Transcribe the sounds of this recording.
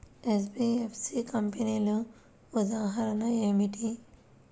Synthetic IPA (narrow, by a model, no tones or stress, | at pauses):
es̬biefsikɐmpenilu | ʊd̪aːɦɐɾɐnaemiʈi